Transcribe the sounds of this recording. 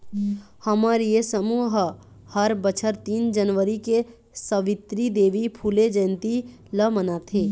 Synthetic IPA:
həmaɾijesəmuːɦ | həɾbət͡ʃʰəɾt̪iːnd͡ʒənʋəɾike | səʋɪt̪ɾid̪eːʋipʰuled͡ʒɛ̃ːnt̪i | ləmənat̪ʰeː

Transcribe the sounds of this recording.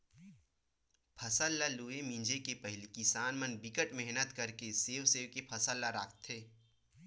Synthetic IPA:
pʰɐsəlːaluːemĩnd͡ʒekepɐɦɪlikisaːnmənbɪkəʈmɛɦnət̪kɐɾkeseːʋseːʋkepʰɐsəlːaɾaːkʰt̪ʰːeː

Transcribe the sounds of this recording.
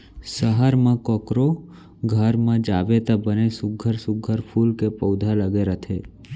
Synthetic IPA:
səɦaɾmãkɔkɾo | ɡʱəɾmãd͡ʒaʋet̪abənesʊɡʱəɾsʊɡʱəɾpʰulkepəwd̪ʱaləɡeɾət̪ʰe

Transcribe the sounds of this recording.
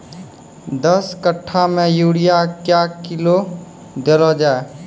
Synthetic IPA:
d̪əskəʈʰːamẽjuːɽijakjakɪlo | d̪eɾɔd͡ʒaːe

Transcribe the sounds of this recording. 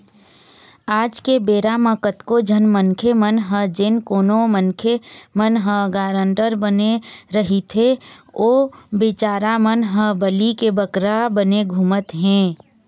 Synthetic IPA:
aːd͡ʒkebeːɾamə̃kət̪kod͡ʒʱənmənkʰemənɦə̃d͡ʒɪnkoːnomənkʰemənɦə̃ɡaːɾə̃ɳʈəɾbəneɾəɦit̪ʰeoːbɪt͡ʃaːɾamənɦəbəlikebəkɾabəneɡʱumət̪ɦɛ̃ː

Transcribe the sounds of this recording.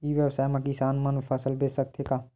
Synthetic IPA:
iʋjəwsaːjmãkisaːnmənfʰəsəlbeːsək̚t̪ʰeːɡaː

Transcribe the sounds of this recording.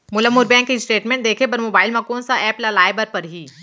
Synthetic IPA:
mʊləmːʊɾbɛ̃ːŋkːisʈeːʈmẽːɳʈ̚d̪eːkʰepɐɾmoːbaːɪlmɐ̃koːnsaʔɛːplɐlaːebəɾpɐɾɦiː

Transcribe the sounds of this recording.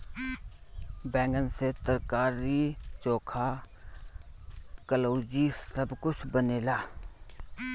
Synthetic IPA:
bɛ̃ːŋɡənset̪əɾkaːɾit͡ʃõːkʰa | kəloːd͡ʒisəbkʊt͡ʃʰbəneːlaː

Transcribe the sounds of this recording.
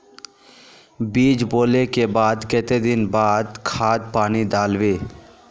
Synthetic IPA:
biːd͡ʒboːlekebaːd̪ket̪ed̪ɪnbaːd̪kʰaːd̪̚paːnid̪aːlʋeː

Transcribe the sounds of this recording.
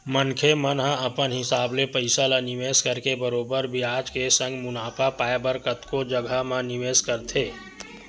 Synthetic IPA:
mənkʰemənɦãəpənɦɪsaːblepəɪsalaniʋeskəɾkebəɾoːbəɾbʱiad͡ʒkesə̃ŋɡmʊnaːpʰapaːebəɾkət̪kod͡ʒəɡʱamãniʋeːskəɾt̪ʰeː

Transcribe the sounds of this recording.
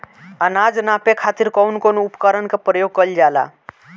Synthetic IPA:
ənad͡ʒnapekʰat̪iɾkɔwnkonoupkəɾənkepɾəjoɡ̚kəld͡ʒala̰

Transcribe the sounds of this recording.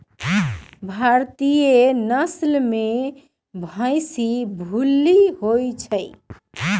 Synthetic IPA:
bʱaɾt̪ijenəslme | bʱə̃jsibʱulːiɦojt͡ʃʰəj

